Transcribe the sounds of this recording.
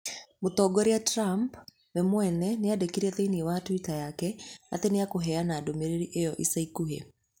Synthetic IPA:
motɔɡɔɾeatɾamp | nɛmwɛnɛneadekiɾɛteiniewatwitajakɛa̰teneakoɦɛanaːdomeɾeɾiʔejɔʔisaikuhḛ

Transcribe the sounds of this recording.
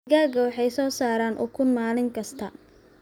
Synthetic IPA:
ɣaːɡɐwɑħɑjsɔːsaːɾaːnʔʊ̰kʰʊnmaːlɪŋkʰɐst̪ʰɐ

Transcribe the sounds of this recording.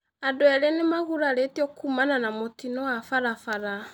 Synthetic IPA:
adoɛɾenemaɣuɾaɾetiɔkumananamotinɔwafaɾafaɾa

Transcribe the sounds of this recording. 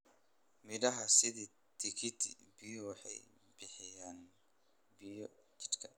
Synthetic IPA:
mɪdɐɦɐsɪðiː | t̪ʰɪkʰɪt̪ʰḭbɪjɔwɑħɑ̰j | b̥ɪħɪjaːn | bɪjɔt͡ʃɪ̥d̪kʰɐ

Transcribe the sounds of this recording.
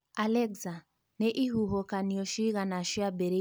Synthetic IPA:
alɛɡza | nɛʔiɦuɦɔkaniɔʃiɣanaʃɪabɛɾe

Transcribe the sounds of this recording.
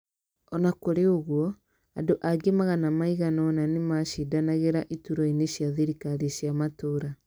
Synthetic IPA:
ɔnakoɾeoɣwɔ | adoʔaɡemaɣanamaiɣanɔnanemaʃidanaɣeɾaʔituɾɔineɕjaðiɾikaɾeɕjamatoɾa

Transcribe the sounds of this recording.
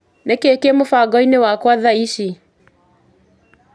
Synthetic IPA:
nɛkekemʊfaɡɔinewakwaðaiʃi

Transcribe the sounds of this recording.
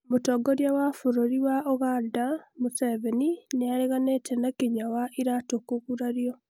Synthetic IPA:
mutoːɡoɾjawafuɾoɾiwaʔoɣadamuseβenineaɾeɣanetʰenakiɲawaʔiɾatokuɣuɾaɾjo

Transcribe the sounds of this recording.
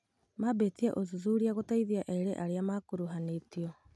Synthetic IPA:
mabetiɛʔozuzuɾiaɣotaiðiaʔɛiɾeʔaɾeamakoɾuɦaneːtiɔ

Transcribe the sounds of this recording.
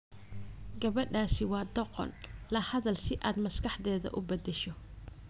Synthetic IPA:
ɡɐβɐɖaːsɪwɑːd̪ɔqɔ̰nlɐhɐðɐlsɪʔaːd̪mɐskɑħd̪ɛːðɐ̰ʔʊbɐd̪ɛʃɔ

